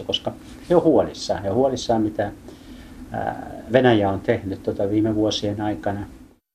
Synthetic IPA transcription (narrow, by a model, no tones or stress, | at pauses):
koskɑ | heohuolisːɑ̰ːeohuolisːɑːmmit̪æ | ʋenæjæont̪ehnyt̪t̪ot̪ɑʋiːmeʋuosienɑikɑnɑ